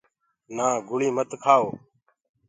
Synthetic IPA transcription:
nãːɡʊɭiːmət̪kʰaːoː

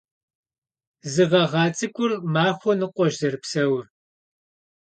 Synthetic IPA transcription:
zɨʁɐʁɑːt͡sʼɨkʷʼʊrmaːχʷɔnɨqʷʼɔʒzɐrpsɐwr

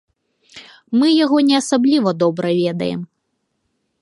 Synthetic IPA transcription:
mɨjaɣɔnʲɛɐsablʲivɐd̪ɔbɾɐvʲɛd̪ɐ̰jɛ̰m

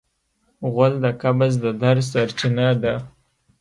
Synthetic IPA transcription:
ɣʊld̪əkabazd̪əd̪aɾsaɾt͡ʃɪnad̪a

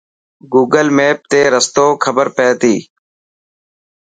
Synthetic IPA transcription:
ɡuːɡəlmeːp̚t̪eːɾəst̪oːkʰəbəɾpeːt̪iː

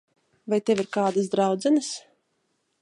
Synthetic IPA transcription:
vajt̪ɛviɾkaːd̪asd̪ɾawd̪zɛnɨs

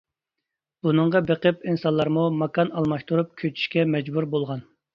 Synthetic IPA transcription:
b̥unɨŋʁɑbeqəpinsɑnlˠːɑɾmumɑkɑnɑlˠmɑʃt̪ʰuɾup̚kʲʰøt͡ʃʰy̥ʃkʲɛmɛd͡ʒbuɾbolˠʁɑn

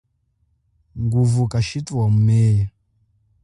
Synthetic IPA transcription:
ŋɡuvukaʃituwamumɛːja

